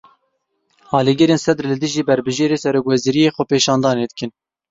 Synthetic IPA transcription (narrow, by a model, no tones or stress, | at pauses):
ɑːliɡɪɾeːnsɛd̪ɾlɨd̪ɨʒiːbɛɾbɨʒeːɾeːsɛɾoːkwɛziːɾijeːxʷɛpeːʃɑːnd̪ɑːneːd̪ɨkɨn